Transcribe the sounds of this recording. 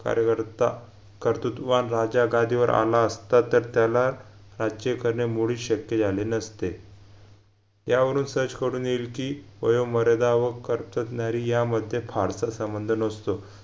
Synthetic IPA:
ka̰ɾjəkəɾt̪a | kəɾt̪ut̪ʋanɾad͡ʑaɡad̪ʱiːʋəɾʔa̰laəst̪at̪əɾt̪jalaɾɾad͡ʑd͡ʑekəɾɳemuɭiːɕəkjed͡zʱalenəst̪e | jaʋəɾuːnsət͡skəɾuːnjelkiːʋə̰joməɾəd̪aʋəkːəɾpt̪ət̪naɾiːjaməd̪ʱjefaɾsasəmbənd̪ʱənəst̪o

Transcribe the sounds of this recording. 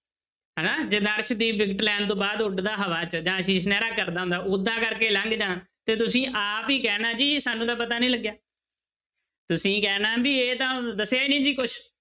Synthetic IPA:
ɦɛːnaːd͡ʒeːd̪əɾʃd̪iːbɪkʈlɛːnt̪õːbaːd̪ʊɖd̪aːɦəʋaːt͡ʃəd͡ʒãːʃĩːsnɛːɾaːkəɾd̪aːɦʊ̃nd̪aːʔʊd̪ãːkəɾkeːləŋɡd͡ʒãːt̪eːt̪ʊsĩːʔaːpiːkɛːnaːd͡ʒiːsaːnːũːd̪aːpət̪aːnĩːləɡjaː | t̪ʊsĩːkɛːnaːbiːeːt̪ãːd̪əsjaːiːnĩːd͡ʒiːkʊʃʰ

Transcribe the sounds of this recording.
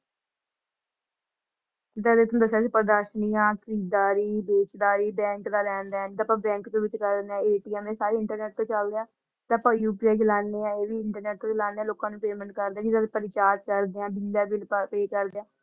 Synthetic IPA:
ɪt̪aːd̪et̪õːd̪əsaːsiːpəɾd̪aːɾʃnijãːkʰəɾiːd̪aːɾiːbeːt͡ʃd̪aːɾiːbɛ̃ːŋkd̪aːlɛ̃ːnd̪aːt̪aːpãːbɛ̃ːŋkt̪õːʋɪt͡ʃkəɾneãːeːʈiːɛmẽːsaːɾeːɪɳʈəɾnɛːʈ̚t̪õːt͡ʃəld̪eaː | t̪eəpãːjuːpiːajd͡ʒɪlaːneːãːeːʋiːɪɳʈəɾnɛːʈ̚t̪õːt͡ʃɪlaːneːãːloːkãːnũːpeːməɳʈkəɾd̪eaːd͡ʒid͡ʒ̪adepəɾɪt͡ʃaːt̪kəɾd̪eːãːbʱɪnɖaːbɪlppeːkəɾd̪eãː

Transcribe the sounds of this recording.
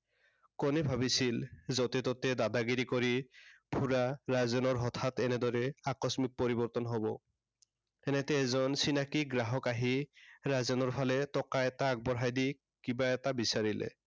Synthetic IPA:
kɔnɛbʱabisilzɔt̪ɛtɔtɛdadaɡiɾikɔɹipʰuɹaɹazɔnɔɹɦɔt̪ʰatɛnɛdɔɹɛakɔsmik̚pɔɹibɔɹt̪ɔnɦɔbɔ | ɛnɛtɛːzɔnsinakiɡɹaɦɔkaɦiɹazɔnɔɹpʰalɛtɔkaɛtak̚bɔɹɦajdi | kibaɛtabisaɹilɛ̰

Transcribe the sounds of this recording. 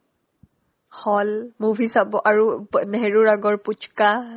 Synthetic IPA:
hɔlmuvʱisabɔʔaɹunɛɦeɹuɹaɡɔɹput͡ʃka

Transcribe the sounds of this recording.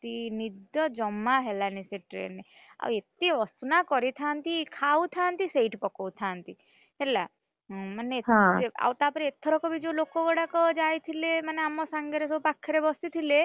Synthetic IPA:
t̪inid̪jɔd͡ʒɔmːaɦelaniseʈɾḛnːe | a̰wet̪iɔsnakɔɾit̪ʰant̪ikʰawt̪ʰant̪isejʈpɔkɔwt̪ʰant̪i | ɦɛlã | maneetɦea̰wt̪apɔɾiet̪ʰɔɾɔkɔbid͡ʒolokɔɡɔɽakɔd͡ʒajt̪ʰilemaneamɔsaŋɡeɾesɔbupakʰːeɾebɔsit̪ʰile

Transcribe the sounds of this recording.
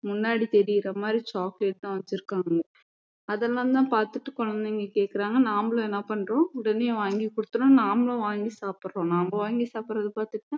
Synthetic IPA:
mʊnːaːɽit̪ɛɾɪjɪɾɐmaːd̪ɾit͡ʃaːkleːʈ̚t̪ãːʋɐɲt͡ʃːɪɾɯkːaːŋɡɐ | ɐðɛlːãːnd̪ãːpaːɾt̪ɯʈːɯkɔɻɐnd̪ɪŋɡɐkeːʈkɪɾaːŋɡɐnaːmɐlõːɛnːɐpɐɳːɾõːɪɽɐneːʋaːŋɡikɔɽɯt̪ːɯnõːnaːmɐlõːʋaːŋɡisaːpɾɾõːnaːmõːʋaːŋɡisaːpɾɐðɯpaːɾt̪ɯʈːãː

